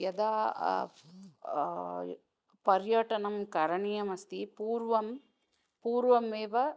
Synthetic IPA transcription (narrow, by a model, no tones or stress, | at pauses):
jɐd̪aː | pɐɾjɐʈɐnɐmkɐɾɐɳijɐmɐst̪ipuːɾʋɐm | puːɾʋɐmeːʋɐ